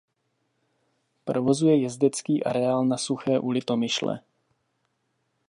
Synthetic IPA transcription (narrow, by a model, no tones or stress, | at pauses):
pɾo̞vo̞zujɛjɛzdɛt͡skiːʔa̰ɾɛaːlnasuxɛːʔulɪt̪o̞mɪʃlɛ̰